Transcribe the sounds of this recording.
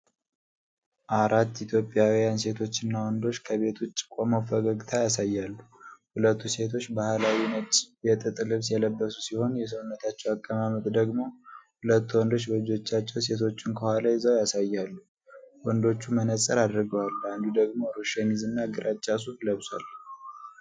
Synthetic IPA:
ʔaɾat̪ːit̪ʰjo̞pʼjawijanse̞t̪ʰo̞t͡ʃːɨnːawɔnd̪o̞t͡ʃːkʰəβe̞t̪ʰut͡ʃːt͡ʃʼːɪ̥kʼamafəɡaɡt̪ʰajasajːalːuhulət̪ːuse̞t̪ʰo̞t͡ʃːbahlawinət͡ʃʼjɛt̪ʼɨt̪ʼɨlɨβsjɛləbːəsusiho̞njɛs̬əwnːət̪ʰat͡ʃːɛwakʼːəmamət̪ʼd̪əɡmo̞hulət̪ːwɔnd̪ot͡ʃːbəd͡ʒo̞t͡ʃːat͡ʃːɛwse̞t̪ʰo̞t͡ʃːɪnkʰəhʷalajzəwjasajːalːu | wɔnd̪o̞t͡ʃːumənəsʼəɾad̪ɾɨɡəwaland̪ud̪əɡmo̞ɾoʃanizɨnːaɡɨɾʔat͡ʃʼːas̬ufləβsa̰l

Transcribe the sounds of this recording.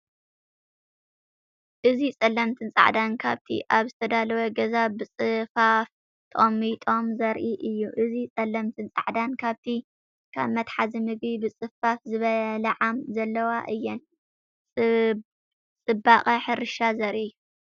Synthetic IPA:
ʔɨzit͡sʼɐlːɐmt̪ʰɨnt͡sʼa̰ʕd̪ankʰaβt̪ʰḭʔaβzɨt̪ʰɐd̪alɐwɐɡɐzabɨt͡sʼɨfaf | t̪ʼomit̪ʼo̞mzɐɾʔiʔɨjːuʔɨzit͡sʼɐlːɐmt̪ʰɨnt͡sʼa̰ʕd̪ankʰaβt̪ʰi | kʰa̰βmɐt̪ħazimɨɡbibɨt͡sʼɨfafzɨβɐlʕamzɐlːɐwaʔɨjːɛnʼ | t͡sʼɨbaχʼɐħɨɾɨʃazɐɾʔi

